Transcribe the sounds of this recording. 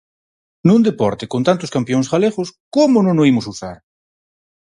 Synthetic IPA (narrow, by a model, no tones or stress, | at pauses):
nũnd̪epɔɾt̪ɪkont̪ant̪ʊskampjoŋsɣaleɣʊskomʊnonoimʊsuθaɾ